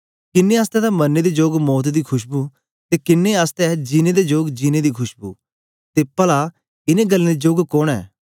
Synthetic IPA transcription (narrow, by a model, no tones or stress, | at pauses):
kɪnːeɐːst̪ɛd̪amɐnːed̪ed͡ʒoːɡmɔːt̪d̪ikʰʊʃbu | t̪ekɪnːeɐst̪ɛd͡ʒɪned̪ed͡ʒoːɡd͡ʒinẽd̪ikʰʊʃbṵː | t̪epɐla | ɪnẽɡɐlːẽd̪id͡ʒoːɡkoːɽ̃ɛ̰ː